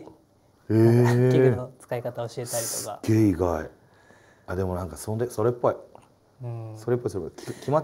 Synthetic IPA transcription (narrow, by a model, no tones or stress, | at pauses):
einot͡sɨ̥kaikat̪aoɕiet̪aɾʲit̪oɨkaɡe̞ːiɡai | ad̪e̞mo̞nãŋkasond̪eso̞ɾepːo̞i | so̞ɾe̞pːoisoɾekʲkʲima